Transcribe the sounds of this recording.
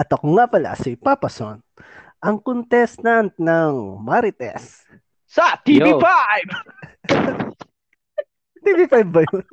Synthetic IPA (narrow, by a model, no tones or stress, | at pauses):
ʔɐt̪ɐkoŋapɐla̰sipapɐso̰nʔɐŋkont̪ɛst̪ant̪̚nɐŋmaɾɪt̪ɛ̰s | sɐt̪iifajb | t̪ivifajbːɐjon